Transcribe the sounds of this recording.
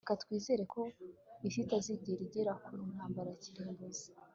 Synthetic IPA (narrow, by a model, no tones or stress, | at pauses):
ekatkwiːze̞ːɾe̞kʰo̞isitaziɟeɾiɟeɾakumun̥haːmbaɾaaciɾeːmbozi̥